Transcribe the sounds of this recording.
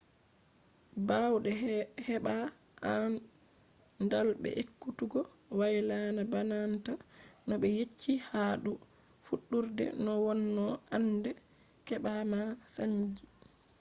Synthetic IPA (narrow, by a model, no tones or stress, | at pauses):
bawɗɛhɛɓa | an | ndalbɛ̰ʔekːutuɡɔ | wajlanabanantanɔɓɛjet͡ʃʰːihaːɗu | fuɗːuɾdɛ̰nɔwɔnːɔʔandɛ | kɛɓamasaɲd͡ʒi